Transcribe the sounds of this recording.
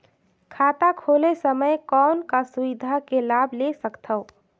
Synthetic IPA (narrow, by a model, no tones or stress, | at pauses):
kʰaːt̪akʰolesəməjkɔnkasuwɪd̪ʱakelaːbʱlesəkt̪ʰəʊ